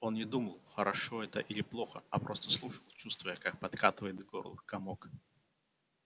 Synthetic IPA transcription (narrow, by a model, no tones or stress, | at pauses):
ɔnnʲɛd̪umɐlˠxɐɾʔaʂɔɛt̪ɐʔilʲiplˠɔxɐ̰ɐpɾɔst̪ɐ̥slˠuʂɐlˠt͡ʃust̪vɐjəkak̚pat̪kat̪ɨvəjɛd̪ɡɔ̰ɾlˠɨ̰xkamɔk